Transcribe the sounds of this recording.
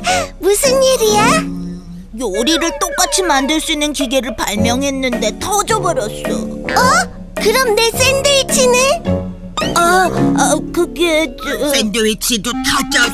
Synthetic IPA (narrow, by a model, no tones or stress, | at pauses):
musʰɯniɾia | ɡoɾiɾɯɭt͈ok͈at͡ɕʰimandɯɭs͈uinːɯnkiɡe̞ɾɯɭpaɭmjʌŋɦe̞nːɯnde̞tʰʌd͡ʑʌbʌɾjʌs͈ʌ̰ʌ | kɯɾʌmne̞s͈endɯit͡ɕʰinɯ | a | kɯɡe̞sendɯwit͡ɕʰidotʰat͡ɕa